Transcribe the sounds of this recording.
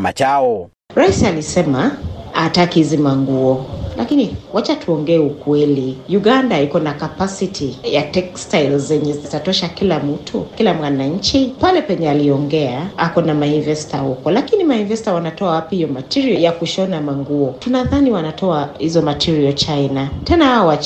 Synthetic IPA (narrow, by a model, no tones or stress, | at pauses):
mat͡ʃaɔ | ɾaisialisɛmaatakihizimaŋɡuɔlʔakiniwat͡ʃatʰuɔŋɡɛːukwɛlijuɠandaikɔnakapasitʰijatɛkstajlzɛɲɛzizitatɔʃakilam̩tʰukilamwanaɲ̩t͡ʃipalɛpɛɲɛaliɔŋɡɛaakɔnamainvɛstahukɔlakinimainvɛstawanatɔawapihijɔmatiɾiɔjakuʃɔnamaŋɡuɔtunaðaniwanatɔahizɔmatʰiɾiɔt͡ʃainatɛnaawat͡ʃ